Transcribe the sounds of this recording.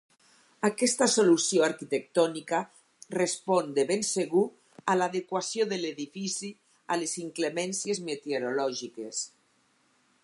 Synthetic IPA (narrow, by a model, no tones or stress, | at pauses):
akɛst̪asolusjoaɾkit̪ek̚t̪ɔnika | respɔnd̪eβenseɣu | alaðekwasjoðeleðifisi | aleziŋklemɛnsjezmet̪eoɾolɔʒikes